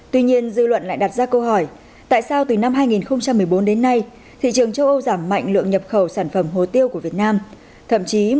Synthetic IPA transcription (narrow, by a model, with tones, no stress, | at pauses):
t̪wi˧ɲi˧ənzɨ̰˧lwə̰˧˨nla̰ː˧˨jɗa˨˩t̚zaː˧kə˧wɦɔ˧˩j | t̪a̰ː˧˨jsaː˧wt̪ɨ˨˩na˧mɦaː˧jŋi˨˩nxə˧wŋ͡mt͡ɕa˧mːɨ˨˩əjɓo˨˦nɗe˨˦nːa˧j | t̪ʰḭ˧˨t͡ɕɨ˨˩əŋt͡ɕə˧wʔə˧wzaː˧˩mːa̰˧˨jŋ̟lɨ̰˧˨əŋɲə˨˩p̚xə˧˩wsaː˧˩nfə˧˩mɦo˨˩t̪i˧əwku˧˩əvi˨˩ət̚naː˧m | t̪ʰə̰˧˨mt͡ɕi˨˦